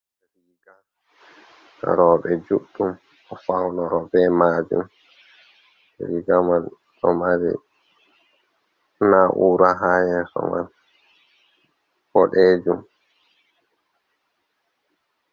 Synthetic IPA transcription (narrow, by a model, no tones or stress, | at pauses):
ɾiɡan | ɾɔɓɛd͡ʒuɗːum | ɔfawnɔɾɔbɛmaːd͡ʒṵm | ɛ̰ɾiɡaman | ʔɔmaɾḭ | naʔuɾaɦajɛsɔ̰ma̰n | fɔɗed͡ʒum